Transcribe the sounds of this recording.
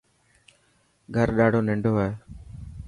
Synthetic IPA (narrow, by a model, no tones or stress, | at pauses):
ɡʱəɾɗaːɽoːnɪɳɖʱoːaːeː